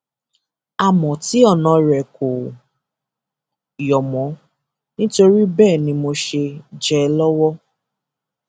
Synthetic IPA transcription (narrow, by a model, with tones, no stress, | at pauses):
a˨mɔ̃˨ti˨˦ɔ˦˨nã˨˧ɾɛ˨ko˨ | jɔ˨mɔ̃˨˦ | nĩ˦to˧ɾi˦bɛː˦˨nĩ˧mo˧ʃe˧d͡ʒɛ˦lɔ˦wɔ˦